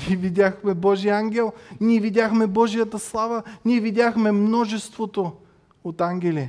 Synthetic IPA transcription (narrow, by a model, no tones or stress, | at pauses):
ivid̪ʲaxmɛbɔʒijaŋɡʲɛlˠnʲiɛvid̪ʲjaxmɛbɔʒijət̪əslˠavəniɛvid̪ʲaxmɛmnɔʒɛst̪vot̪o | ot̪aŋɡʲɛli